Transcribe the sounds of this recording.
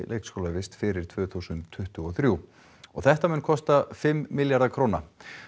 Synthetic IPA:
lḛːjkskowlavɪst̪fɪɾɪɾ̥t̪ʰvœːθusʏnt̪ʰːʏht̪ʏɔθɾju | ɔ̰ɣθɛht̪amʏnkʰɔst̪afɪmːɪljaɾðakʰɾoːwna̰

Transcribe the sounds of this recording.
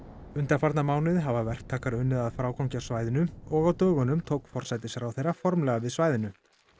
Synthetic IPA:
ʏnt̪afaɾt̪namaːwnɪðɦavavɛr̥t̪ʰːaːkaɾœnːɪðaðfɾaːwkawɲcasvaːjðɪnʏɔɣawt̪œːɣʏnʏmt̪ʰowkfɔr̥sɛt̪ɪsɛɾawθejrafɔɾmlɛːɣavɪðsvaːjðɪnʏ

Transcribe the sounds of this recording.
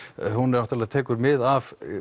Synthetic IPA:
hunɛɾnɔht̪aɾlaðt̪ʰɛːkʏɾmɪðav

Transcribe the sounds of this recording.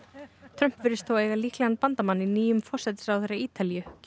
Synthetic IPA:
t̪ʰɾœm̥pvɪɾɪst̪ʰoːweːjɣaliːhklɛɣanpant̪amanːiniːjʏmfɔr̥sɛt̪ɪsawθejɾaiːt̪alijʏ

